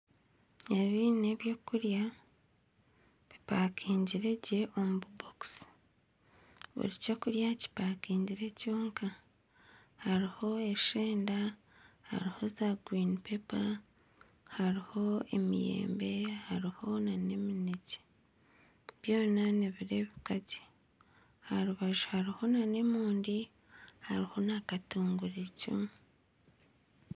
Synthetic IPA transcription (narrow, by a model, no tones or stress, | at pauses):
eβineβjo̞ːkuɾja | βipaːkʰiːɲɟiɾe̞ɟe̞ʔo̞mububoks | βṵɾico̞ːkuɾjaci̥paːkiːɲɟiɾe̞coːŋka | haɾiho̞e̞ʃeːnda | ha̰ɾiho̞zaɡwiːnipe̞pa | haɾiho̞e̞̰mḭje̞̰ːmbe̞haɾiho̞nane̞mineci̥ | βjo̞ːnaneβiɾe̞βikaci̥ | haɾuβaʒu̥haɾiho̞nane̞muːndi | ha̰ɾiho̞nakatuːŋɡuɾicṵmu